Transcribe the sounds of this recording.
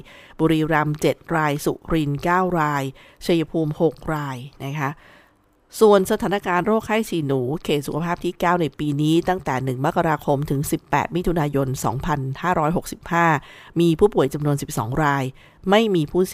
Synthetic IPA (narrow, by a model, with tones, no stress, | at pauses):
buː˧ɾiː˧ɾa˧mt͡ɕe˨˩t̪̚ɾaː˧jsṵ˨˩ɾi˧nkaː˥˩wɾaː˧jt͡ɕʰa˧ja˧pʰuː˧mho˨˩k̚ɾaː˧jna˦˥kʰa˦˥ʔ | su˨˩ənsa˧t̪ʰaː˩˦na˦˥kaː˧nɾoː˥˩k̚ʰːaː˥˩jsʰiː˨˩nuː˩˦kʰeː˨˩t̪̚su˨˩kʰpʰaː˥˩p̚t̪ʰiː˥˩kaː˥˩wna˧jpiː˧niː˦˥t̪a˥˩ŋt̪ɛː˨˩nɯ˨˩ŋma˦˥kʰa˧ɾaː˧kʰo˧mt̪ʰɯ˩˦ŋsi˨˩pːɛ̰ː˨˩t̪̚mi˦˥t̪ʰu˧naː˧jo˧nsɔ̰ː˩˦ŋpʰa˧nhaː˥˩ɾɔː˦˥jɦo˨˩k̚si˨˩p̚haː˥˩miː˧pʰuː˥˩pu˨˩əjt͡ɕa˧mnu˧ənsi˨˩p̚sɔ̰ː˩˦ŋɾaː˧j | ma˥˩jmiː˧pʰuː˥˩